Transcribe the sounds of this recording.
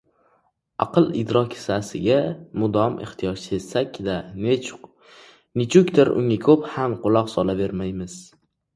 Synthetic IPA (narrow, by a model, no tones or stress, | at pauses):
ɑ̰qɨlˠɪ̰d̪ɾɒkʲʰɪ̥sasɪɡʲamʊd̪ɒmḛχt̪ʰijɒʃesakʲd̪a | nɪt͡ʃʰʊkʲt̪ɪɾʊ̰ŋakʲʰɵphamqʊlˠɒqsɒlabe̞ɾmajmɪz̥